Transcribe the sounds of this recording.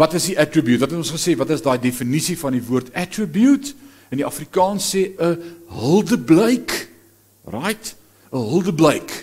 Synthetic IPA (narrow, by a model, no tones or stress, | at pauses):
vɐtəsdiʔætrəbjutvɐtɦɛtɔ̃nsχəseːvɐtəsdɑːjdefənisifɐndivuərtætrəbjut | əndiʔɐfrikɑːnseːʔəɦəlˠdəbləjk | rɐjt | əɦəlˠdəbləjk